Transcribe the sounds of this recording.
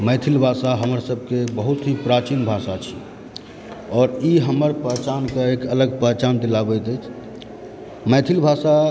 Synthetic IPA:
məjt̪ʰilbʱasaɦəməɾsəb̚ʱkebəɦut̪ɦipɾat͡ʃinbʱasat͡ʃʰi̥ | ɔːɾiɦəməɾpəɦt͡ʃankeekələɡpəɦt͡ʃand̪ilabəjt̪əjt͡ʃʰ | məjt̪ʰilbʱasa

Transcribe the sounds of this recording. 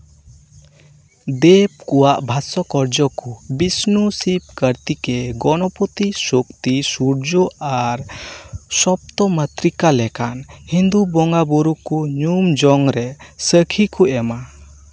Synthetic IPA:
d̪ɛp̚kɔwaʔbʱasɔkɔɾd͡ʒɔkubisnusip̚kəɾt̪ikɛɡɔnɔpɔt̪isɔkt̪isuɾd͡ʒɔaɾ | sɔp̚t̪ɔmət̪ɾikalɛkanhind̪ubɔŋɡabɔɾukuɲumd͡ʒɔŋɾɛsəkʰikʰuɛma

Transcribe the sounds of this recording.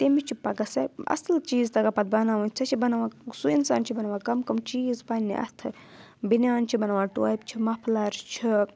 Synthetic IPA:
t̪emit͡ʃʰipɐɡɐsɐɐ̰slt͡ʃiːzt̪ɐɡapɐt̪̚bɐnaːʋɐnt͡sʰɐt͡ʃʰibɐnɐʋaːsuinsa̰ːnt͡ʃʰibɐnɐʋakɐmkɐmt͡ʃiːzpɐnːḭʔɐ̰t̪ʰɨ | binjaːnt͡ʃʰibɐnʋaʈua̰ːp̚t͡ʃʰimɐpʰlaɾt͡ʃʰi

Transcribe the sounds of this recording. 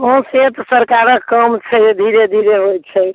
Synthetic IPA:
õset̪səɾkaɾəkkːəmt͡ʃʰɛd̪ʱiɾed̪ʱiɾeɦojt̪t͡ʃʰɛ

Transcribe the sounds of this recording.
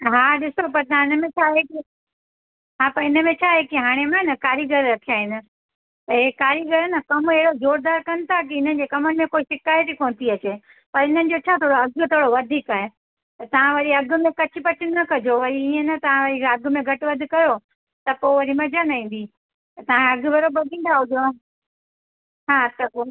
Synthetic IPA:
ɦaːɗɪsop̬ɐɾt̪ɐãɪnə̆mẽt͡ɕʰaːɦeki | ɦaːpɐɾɪnə̆mẽt͡ɕʰaːɦekiɦaːɽ̃emãnɐkaːɾjiɡəɾɾɐkʰijaːɦɪnɪ̆ | t̪ɐɦekaːɾjiɡəɾnɐkɐmeɦɪɽozoːɾd̪aːɾkɐnɪ̆t̪ʰak̬ɪɪn̤ənɪ̆d͡ʑekɐmənɪ̆mẽkoːiʃɪkaːjət̪ikoːnt̪iɐt͡ɕeː | pɐɾɪn̤ənɪ̆d͡ʑot͡ɕʰaːt̪ʰoːɽoɐɡt̪ʰoːɽoʋɐd̪ʱiːkaːɦe | t̪ɐt̪ɐʋ̤ãʋɐɾiɐɡmẽkɐt͡ɕʰɪpɐt͡ɕʰɪnɐkɐd͡ʑoʋɐɾiiːẽnɐt̪ɐʋ̤ãʋɐɾiɐɡʊ̆mẽɡʱɐʈɪʋɐd̪ʱɪ̆kɐjo | t̪ɐpoʋɐɾimɐd͡ʑaːnaĩːn̆d̪i | t̪ɐt̪ɐʋ̤ãɐɡ̆ʋɐɾobɐd̪ĩːn̆d̪aɦʊd̪jo | ɦaːt̪ɐko

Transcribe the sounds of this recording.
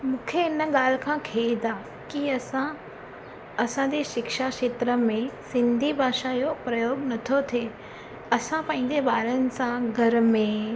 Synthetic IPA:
mũːkʰeɪnəɠaːl̤kʰãːkʰeːid̪aː | kiɐsã | ɐsãd͡ʑeʃɪkʃaʃeːt̪ɾəmẽsɪ̃nd̪ʱibʱaːʃajopɾɐjoːɡnɐt̪ʰot̪ʰeː | ɐsãpɐ̃ɦɪ̃ɲ̆d͡ʑeɓaːɾənɪ̆sãɡʱɐɾmẽ

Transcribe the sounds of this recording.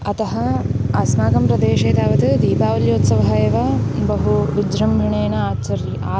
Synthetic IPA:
ɐt̪ɐɦɐɐsnaːɡɐmpɾɐd̪eːʃeːt̪aːʋɐt̪ɨd̪iːpaːʋɐljoːt̪sɐʋɐɦɐjeːʋɐbɐɦuʋid͡ʒɾɐmbʱiɳeːnɐaːt͡ʃɐɾjɐʔaː

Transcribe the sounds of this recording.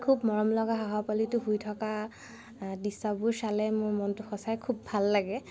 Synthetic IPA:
kʰubmɔɹɔmlɔɡaɦaɦapalitʊɦujtʰɔka | disabuɹsalɛmʊɹmɔntʊxɔsajkʰubːʱalːaɡɛ

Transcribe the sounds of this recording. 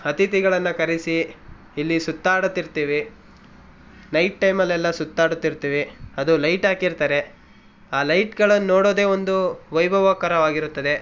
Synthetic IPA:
ɐt̪it̪iɡɐɭɐnːɐkɐɾisiː | lːisut̪ːaːɽut̪ːiɾt̪iːʋi | nɐjʈːɐjmɐlːɛlːɐsut̪ːaːɽut̪ːiɾt̪iːʋiɐd̪ulɐjʈaːkiɾt̪aːɾe̞ | aːlɐjʈɡɐɭɐnːoːɽoːd̪e̞ːʋond̪uʋɐjbʱɐʋaːkɐɾɐʋaːɡiɾut̪ːɐd̪e̞

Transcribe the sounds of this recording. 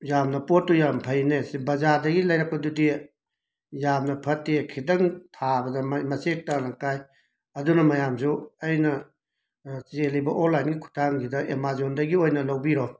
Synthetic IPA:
jamnɐpotːujampʰɐjnesbɐzaɾdɐɡilɐjɾɐk̚pɐdudi | jamnɐpʰɐtːekʰidɐŋtʰabɐdɐmmɐsek̚tanɐkaj | ɐdunɐmɐjamsuɐjnɐ | t͡ʃelɐjbɐʔonlːajnɡikʰu̥tʰaŋɡidɐʔemazondɐɡiojnɐlɐwbiɾɔ

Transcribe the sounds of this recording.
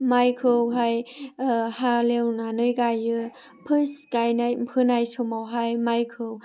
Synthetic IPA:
majkʰɯwɦaj | halewnanɯjɡajɯ | pʰɯsɡajnajpʰɯnajsɔmawɦajmajkʰɯw

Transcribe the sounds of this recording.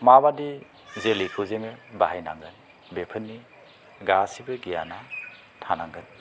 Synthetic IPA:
mabadi | zelikʰɯwzeŋɯbahajna̰ŋɡɯn | bepʰɯnːi | ɡasibɯɡijana | tʰanaŋɡɯn

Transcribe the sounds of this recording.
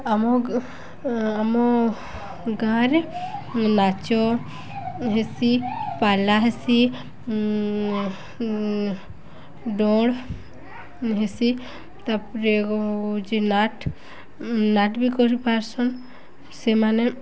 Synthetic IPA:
amɔ | amɔ | ɡaɾe | nat͡ʃɔ | ɦesipalaɦesi | ɖɔɽ | ɦesi | t̪apɾekɔd͡ʒinaʈ | naʈbikɔɾipaɾsɔn | semane

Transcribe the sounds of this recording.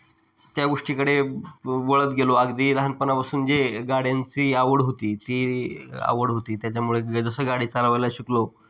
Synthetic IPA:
t̪jaɡoʂʈiːkəɽeʋoɭət̪ɡeloaɡd̪iːɾaɦənpənapasuːnd͡ʑeɡaɽjant͡siːaʋəɽɦot̪iːt̪iːa̰ʋəɽɦot̪iːt̪jat͡ɕjamuɭed͡zəsəɡaɽiːt͡saləʋajlaɕiklo

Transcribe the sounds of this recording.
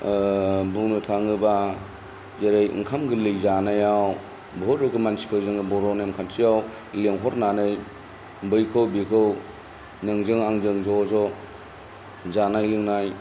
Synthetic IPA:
buŋnɯtʰaŋɯba | zeɾejḭŋkʰamɡɯlɯjzanajaw | bɦoɾɾɯkɯmansi̥kʰɯwzɯŋɯbɔɾɔnemkʰansijaw | leŋɦɔɾnanɯj | bɯjkʰɯwbikʰɯw | nɯŋzɯŋaŋzɯŋzɔzɔ | zanajlɯŋnaj

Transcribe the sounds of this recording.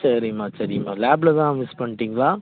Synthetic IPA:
sɐɾɪmaːsɐɾɪma̰ːlaːblɐt̪ãːmɪspɐɳːʈːiːŋɡɐɭaː

